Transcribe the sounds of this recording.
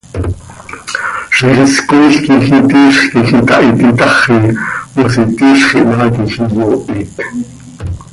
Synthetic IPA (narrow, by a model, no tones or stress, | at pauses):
ʃiχiskoiɬkixit̪iːʃχkixit̪ɑʔit̪it̪ɑχiwosit̪iːʃχiʔnaːk̪ixijoːʔit̪